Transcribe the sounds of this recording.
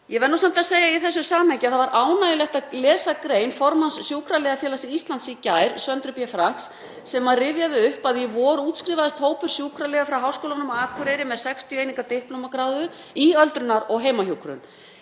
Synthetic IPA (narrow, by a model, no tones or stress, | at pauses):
jɛvɛɾnːusam̥t̪aðseːjaiθɛs̬ːʏsaːmejcɪaθavaɾʔaːwnajɪlɛht̪alɛːsakɾeːjnfɔɾmansːjuːkʰɾalɛːɣafjɛːlasɪist̪lant̪sicaːjɾsœnt̪ɾʏpjɛfɾaŋ̥ksː | ɛmaðrɪvjaðɪʏhpaðjɛvɔɾuːt̪skɾiːvaðɪst̪hoːwpʏɾ̥sjuːkʰɾalɛːɣafɾawɦaːwskoːlanʏmaːkʰʏɾeɾɪmɛðsɛkst̪ʰjejniŋkat̪ehplowmakɾaːwðʏ | iœlt̪ɾʏnːaɾɔɣɦeːjmahjuwkɾʏ̰n